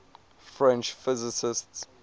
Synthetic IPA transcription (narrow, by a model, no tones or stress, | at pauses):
fɹɛ̃nt͡ʃfɪzɪsɪsts